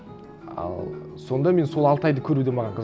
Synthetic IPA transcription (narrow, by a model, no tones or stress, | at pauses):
ɑ̰lˠ | so̞nd̪ɑme̞nso̞lˠɑlˠt̪ɑjd̪əkʲʰɵɾud̪emɑʁɑɴqʰə